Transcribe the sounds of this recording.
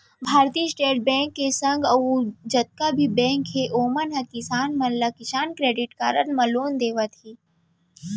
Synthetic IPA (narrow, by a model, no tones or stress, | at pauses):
bʱaːɾt̪iːsʈeːʈ̚bɛ̃ːŋkːesə̃ŋɡɐud͡ʒɐt̪̚kabʱibɛ̃ːŋkɦeʔoːmənɦɐkɪsaːnmɐllakɪʃaːnkɾeːɖɪʈkaːɾənmɐloːnd̪eːʋət̪ɦiː